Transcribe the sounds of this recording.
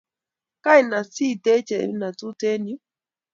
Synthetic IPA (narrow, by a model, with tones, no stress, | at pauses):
ka˦i˨na˨si˦˨te˦t͡ʃḛ˨˦na˨tu˦te˦nu˦